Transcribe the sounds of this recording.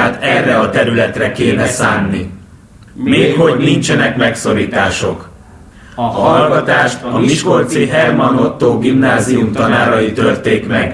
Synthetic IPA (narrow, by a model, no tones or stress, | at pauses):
aːt̪ɛrːɛɒt̪ɛɾylɛt̪rɛkeːnɛsaːnːi | meːkhornint͡ʃɛnɛkmɛkso̞ɾiːt̪aːʃo̞k | ɒɦɒlɡɒt̪aːʃt̪ɒmiʃko̞rt̪siɦɛrmɒnot̪ːoːɡimnaːziumt̪ɒnaːɾɒjit̪ørt̪eːkmɛɡ